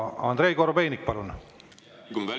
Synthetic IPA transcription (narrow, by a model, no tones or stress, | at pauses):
ɑ̰nd̪ɾe̞jkoɾobejnik̚pɑlun